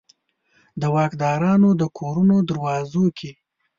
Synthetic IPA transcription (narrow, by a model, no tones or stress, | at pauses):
d̪əwɑkd̪ɑːɾɑnod̪əkʰoɾunod̪aɾwɑzokʰi